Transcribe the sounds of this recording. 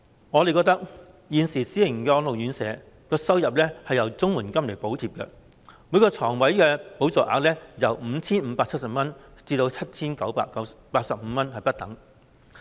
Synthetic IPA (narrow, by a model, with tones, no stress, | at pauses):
ŋɔː˨˧le˨kɔː˧k̚t̪ɐ˥k̚ | jiː˨nsiː˨˩siː˨˥lɪ˨˩ŋ˨kɛ˧lo˨wjyː˨˥nsɛ̰ː˨˧ | kɔː˧sɐ˥wjɐ˨p̚lɛ˥hɐ˨jɐ˨˩wt͡sʊ˥ŋmuː˨˩nkɐ˥mle˨˩po˨˥wt̪ʰiː˧p̚kɛ̰˧ | mu˨˧jkɔː˧t͡sʰɔː˨˩ŋwɐ˨˥jkɛː˧po˨˥wt͡sɔː˨ʔa̰ː˨˧k̚lɛː˥jɐ˨˩wm̩˨˧t͡sʰiː˥nm̩ː˨˧paː˧ɐ˥t̚sɐ˨p̚mɐ˥nt͡siː˧t̪o˧wt͡sʰɐ˥t̚t͡sʰiː˥nkɐ˨˥wpaː˧kɐ˨˥wpaː˧k̚sɐ˨p̚m̩ː˨˧mɐ˥nhɐ˨jpɐ˥t̚t̪ɐ̰˨˥ŋ